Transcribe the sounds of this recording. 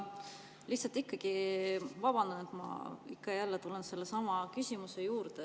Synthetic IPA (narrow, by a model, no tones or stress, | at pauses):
liçhtsɑlt̪ikːɑɡ̥ivɑb̥ɑnd̪̥ɑnet̪mɑ̰ikːɑjælːet̪ulense̞lːesɑmɑkysʲimuse̞juːɾd̪e